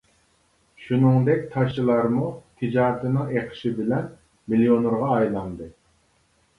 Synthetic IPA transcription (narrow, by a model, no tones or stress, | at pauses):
ʃunɨŋd̪ɛk̚ʲt̪ʰɑʃɨlˠɑɾmut̪ʰɨd͡ʒɑːʁt̪ʰɨnɨŋeqʰɨ̥ʃɪbɪlɛn | milijonuɾʁɑːjlˠɑnd̪ɨ